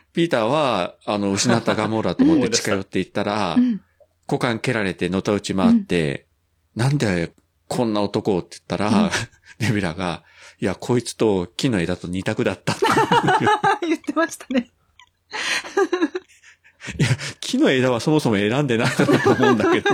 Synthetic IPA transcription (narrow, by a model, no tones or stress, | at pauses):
pʲiːt̪aːβaːno̞ɯ̟ɕinat̪ːaɡamo̞ɾat̪omot̪ːet͡ɕi̥kajo̞t̪ːe̞it̪ːaɾa | ko̞kãŋke̞ɾaɾe̞t̪e̞no̞t̪aɯ̟t͡ɕimaːt̪ːe̞̰ | nãnd̪e | kʰõ̞nːao̞t̪o̞ko̞t̪ːeɯ̥t̪ːaɾa | ɾe̞bʲiɾaɡa̰ | iakʰo̞it͡sɨ̥t̪o̞kʲino̞e̞d̪at̪o̞ɲ̟it̪akɯ̟d̪at̪ːat̪ːe | jɯt̪ːemaɕi̥t̪ane | jakʲʰino̞e̞d̪aβaso̞mo̞so̞mo̞e̞ɾãnd̪e̞nak̪at̪at̪ːmõ̞ːnd̪ke̞d̪o